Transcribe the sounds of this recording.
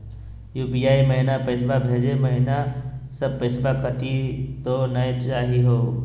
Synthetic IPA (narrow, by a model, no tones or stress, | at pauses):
juːbijaːiməɦɪnapesbabʱeːd͡ʒemɐɦɪnasəb̚pɪsbakəʈit̪onəet͡ʃaːɦiɦoː